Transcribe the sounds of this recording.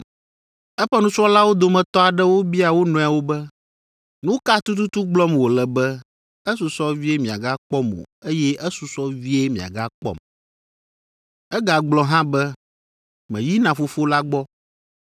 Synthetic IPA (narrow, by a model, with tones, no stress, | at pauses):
ɛ˦ɸɛ˦nũ˦t͡ʃɔ˦la˦wo˦d̪o˨mɛ̃˨t̪ɔ˦a˨ɖɛ˦wo˦bi˦a˨wo˦nɔ̃˨a˨wo˦bɛ˦ | nũ˦ka˦t̪u˦t̪u˦t̪u˦ɡ͡blɔ˦mwo˨lɛ˨bɛ˦ | ɛ˦s̬u˨sɔ˦vi˦e˦mĩ˨a̰˨ɡa˦k͡pɔ˦mo̰˨ | e˦jɛ˦ʔɛ˦su˨sɔ˦vi˦e˦mĩ˨a̰˨ɡa˦k͡pɔ̰˦m | ɛ˦ɡa˨ɡ͡blɔ˦ɦã˦bɛ˦ | mɛ̰̃˨ji˦nã˨fo˨fo˦la˦ɡ͡bɔ˦